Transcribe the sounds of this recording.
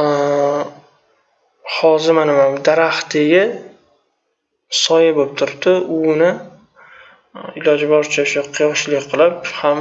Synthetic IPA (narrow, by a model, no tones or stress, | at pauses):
hɒzɪmanɪmand̪aɾaht̪eɡʲɪ | sɒjabop̚t̪ʰʊɾɪp̚d̪ɪʊnɪ | ɪlɒd͡ʒbɒɾt͡ʃʰaʊʃaqʰɨjɒʃlɪkʲqʰɨlˠɪpham